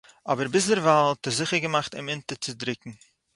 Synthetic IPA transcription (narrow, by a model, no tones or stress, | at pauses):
ɔbəɾbɪsdəɾvalˠtɛzɪχəɾɡəmaχtɪmɪntət͡sɪdɾɪkŋ̩